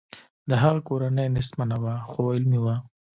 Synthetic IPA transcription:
d̪əɦaɣakoɾanəjnɪsmanawaxoɪlmiwa

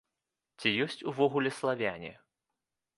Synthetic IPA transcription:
t͡sʲijɔsʲt͡sʲuvɔɣulʲɛslˠavʲanʲɛ̰

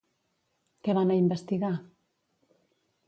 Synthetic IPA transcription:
keβanaimbest̪iɣa

